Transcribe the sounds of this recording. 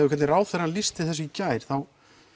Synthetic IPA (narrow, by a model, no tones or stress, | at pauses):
vʏkʰvɛt̪nɪraːwθɛɾanlist̪ɪθɛs̬ːʏcaːjɾ̥θaw